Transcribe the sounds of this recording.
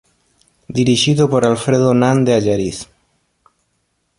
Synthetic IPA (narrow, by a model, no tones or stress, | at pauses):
d̪iɾiʒiðopoɾalfɾeðonand̪eaʝaɾis